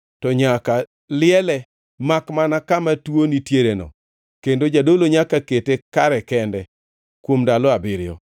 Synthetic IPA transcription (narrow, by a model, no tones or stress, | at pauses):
tɔɲaka | lɪɛlɛ | makmanakamatwonitjeɾenɔ̰ | kendod͡ʒadoloɲakaketekaɾɛkɛndɛ | kwomdalɔabɪɾɪjɔ̰